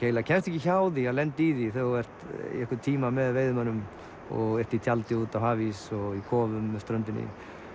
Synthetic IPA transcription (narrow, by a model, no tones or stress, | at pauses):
eːjlacʰɛnst̪ɛhcɪçawðialɛnt̪iðiθœɛr̥t̪ḭɛhkvɪt̪ʰiːmamɛðveːjðʏmhanːʏm | ɔ̰ɣɛr̥t̪it̪ʰjalt̪ɪuːt̪awhaːvisɔɣikʰɔːvʏmːɛst̪ɾœnt̪ɪnːɪ̰